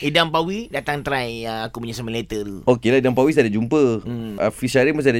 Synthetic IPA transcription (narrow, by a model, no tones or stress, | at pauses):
idampawidat̪aŋt̪ɾajəakupuɲasamilet̪ət̪uokelaidampawisadad͡ʒumpəəfiʃaɾimas̬ada